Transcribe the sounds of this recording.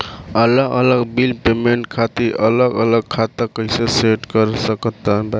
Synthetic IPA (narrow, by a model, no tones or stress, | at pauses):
ələɡələɡbilpemeɳʈ̚kʰat̪iɾələɡələɡ̚kʰat̪əkːəɪseseʈkəɾsəkət̪ːəba